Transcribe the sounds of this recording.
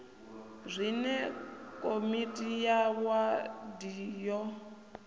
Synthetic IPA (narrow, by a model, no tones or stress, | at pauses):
zʷinɛkʼomitʼijawadijɔ